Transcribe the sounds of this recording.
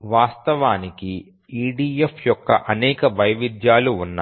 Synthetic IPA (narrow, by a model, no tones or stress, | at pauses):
ʋaːst̪ɐʋaːniki | iːɖiːjefjɔkːɐ̰ʔɐnɛːkɐbɐjʋid̪jaːluːnːa̰ː